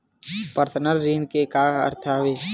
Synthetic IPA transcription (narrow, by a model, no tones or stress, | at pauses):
pəɾt̪ʰənəɾːiːnkekaːə̰ɾt̪ʰaːɦʋeː